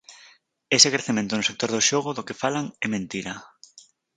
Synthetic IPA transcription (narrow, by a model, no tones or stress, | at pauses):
esekɾeθemẽnt̪onʊsek̚t̪oɾðoʃoɣ̞oðokefalaŋɛmẽnt̪iɾɐ